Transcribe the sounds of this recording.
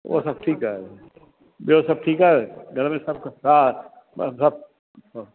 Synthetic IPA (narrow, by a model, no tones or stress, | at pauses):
ʋʔo̰sɐb̚ʈʰiːkaːɦɛ | biosɐb̚ʈʰiːkaɛɡʱɐɾmẽsɐb̚kasaːt̪ | sɐb̚